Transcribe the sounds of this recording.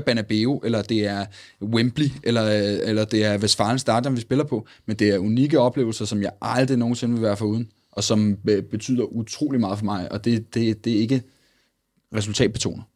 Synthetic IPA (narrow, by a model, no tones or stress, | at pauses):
b̥ænæb̥e̝ːoʔelɐd̥e̝æɐwemb̥liʔelɐelɐd̥e̝æɐʋesfɑ̈n̩sd̥ɑ̈ːd̥ɐmʋisb̥e̝lɐpʰɒ̽ | mend̥e̝æɐuniɡ̥əɒ̽b̥le̝ːʊl̩sɐsɒ̽mjɑ̈ɪʔɑ̈ld̥ʁino̝ːn̩se̝nʋe̝ʋæɐfɒluːð̞ˠn̩ | ʔɒ̽sɒ̽mb̥e̝t͡sʰy̰ːð̞̰ˠɐʔut͡sʰʁo̝̰ːlimɑ̈ːðˠfɒ̽mɑ̈ɪʔɒ̽d̥e̝d̥e̝d̥e̝e̝ɡ̥ə | ʁɛs̬ult͡sʰɛ̰ːd̥̚b̥e̝t͡sʰo̝̰ːnɐ